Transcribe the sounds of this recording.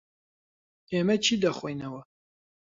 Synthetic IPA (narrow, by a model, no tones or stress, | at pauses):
eːmɐt͡ʃʰiːd̪ɐχʷejnɐwɐ